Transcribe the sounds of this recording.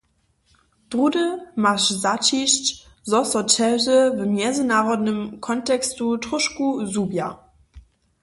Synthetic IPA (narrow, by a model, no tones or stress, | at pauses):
d̥ʁudəmaʃzat͡ʃiʃt | zɔsɔt͡ʃɛʒəvəmjɛzənaʁɔdnəmkʰɔntɛkstutʁʊʃkuzubja